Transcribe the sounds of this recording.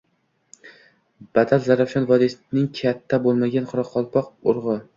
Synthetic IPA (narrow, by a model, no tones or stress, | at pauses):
b̥ad̪alzaɾafʃɒnvɒd̪isnɪŋkʲʰat̪ʰːabolˠmaɡʲanqʰʊɾɒqʰːɒlˠpʰɒq̚ʊɾʁɨ